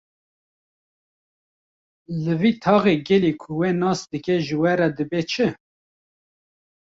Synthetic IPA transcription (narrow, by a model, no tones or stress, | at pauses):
lɨviːt̪ʰɑːɣeɡɛlikʰʊwenɑːsd̪ɨkɛʒɨwɛɾɛd̪ɨbet͡ʃʰɨ